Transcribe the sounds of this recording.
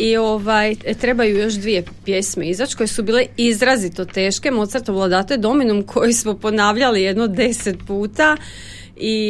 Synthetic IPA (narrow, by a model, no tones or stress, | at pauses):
io̞ʋajt̪ɾe̞bajujo̞ʃ̬d̪ʋije̞pje̞smeizat͡ʃkojesubiːleizɾazit̪o̞t̪e̞ːʃke̞mo̞t̪səɾt̪oʋlˠad̪aːt̪e̞d̪o̞minumkʰo̞jismopo̞naːʋʎalije̞d̪nod̪e̞set̪̚puːt̪a | i